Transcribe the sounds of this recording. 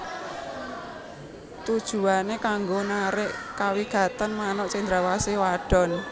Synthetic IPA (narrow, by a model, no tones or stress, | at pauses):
t̪ud̥ʒ̥ṳanekaŋɡonaɾɪʔkawiɡ̥a̤t̪anmanɔʔsiŋnd̪ɾawasiwaɖ̥ɔ̤n